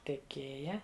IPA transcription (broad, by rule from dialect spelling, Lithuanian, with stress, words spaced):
tʲɛˈkʲeːjɛ